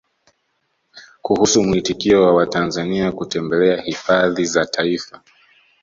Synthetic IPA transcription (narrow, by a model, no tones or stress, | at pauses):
kuhusumuitikiɔwawatanzaniakutɛmbɛlɛahifaðizatʰaifa